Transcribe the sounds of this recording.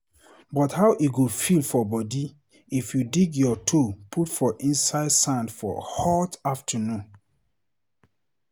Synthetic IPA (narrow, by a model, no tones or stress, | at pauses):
bɔthawʔiɡofilfɔbɔdi | ifjudiɡjɔtʰopʰutfɔʔĩnsaɪdsãndfɔ̰hɔtaftʰənũn